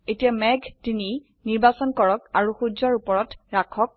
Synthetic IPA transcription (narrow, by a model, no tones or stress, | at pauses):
etijamɛɡʱtini | niɹbasɔnkɔɹɔkaɹuxuzɔɹupɔɹɔtɹakʰɔk̚